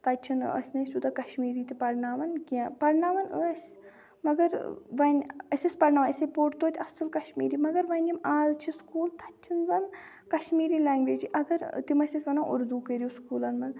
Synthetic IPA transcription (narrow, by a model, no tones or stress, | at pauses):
t̪ʰɐt͡ʃʰinə̰sʲnɐsʲut̪ɐkɐʃmiːɾiːt̪ipɐɾnaːʋɐnkiãpɐɾnaːʋɐnəːsʲ | mɐɡɐɾʋɐnʲɐsʲisʲpɐɾnaːʋɐnisepoːʈt̪oːt̪ʲɐsɐlkɐʃmḭːɾiːmɐɡɐɾʋɐnʲimaːzt͡ʃʰiskuːlt̪ʰɐt͡ʃʰinzɐn | kɐʃmiːɾilaːŋɡʋeːd͡ʒiʔɐɡɐɾt̪imɐsʲɐsʲʋɐnaːʔṵɾd̪uːkəɾiuskuːlɐnmɐn